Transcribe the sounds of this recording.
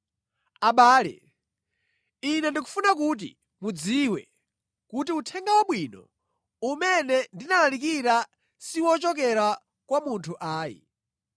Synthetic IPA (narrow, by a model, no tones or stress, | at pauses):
aɓaːlɛ̰ | inɛndiku̥funakut̬ḭ | mud͡ziwɛ̰ | kut̬iutʰɛŋɡawaɓwiːnɔ̰ | umɛnɛndinalalik̬iɾa | siwɔt͡ʃɔk̬ɛɾa | kwamuntʰuʔaːjḭ